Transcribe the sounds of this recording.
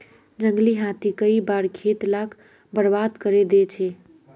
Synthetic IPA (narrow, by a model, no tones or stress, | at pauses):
d͡ʒəŋɡliɦat̪ikəibaɾkʰet̪lak | bəɾbad̪kəɾed̪et͡ʃʰɛ